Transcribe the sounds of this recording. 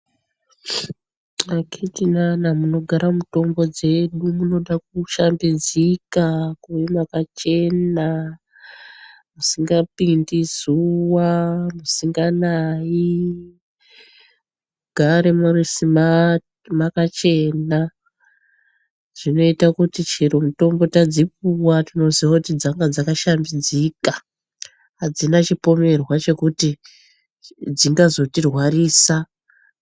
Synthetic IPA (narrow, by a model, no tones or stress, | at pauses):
akʰetinanamuno̞ɡʱaɾamuto̞mbo̞d͡ze̞ɗumuno̞ɗak̚uʃambid͡zikakuimakat͡ʃe̞na | musiŋɡapindizuwamusiŋɡanai | uɡʱaɾemurisima | makat͡ʃe̞na | ʐ̥ino̞itakutit͡ʃiɾumuto̞mbo̞tad͡zipuwatino̞ziʋakutid͡zaŋɡad͡zakaʃambid͡zika | ɦad͡zinat͡ʃipo̞me̞rwat͡ʃe̞kuti | d͡ziŋɡazo̞tirwariːsa